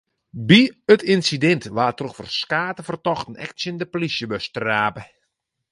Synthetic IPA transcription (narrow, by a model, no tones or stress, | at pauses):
biətʰinsidɛntʋaːtroxfɔrskaːtəfərtɔxtən̩ɛ̰ktsəndəplisjəbøstraːpə